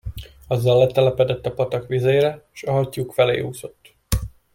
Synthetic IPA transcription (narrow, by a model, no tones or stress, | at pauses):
ɒzːɒlːɛt̪ɛlɛpɛd̪ɛt̪ːɒpɒt̪ɒkʋizeːɾɛeʃɒɦɒcjuːkfɛlḛːhuːzo̞t̪ː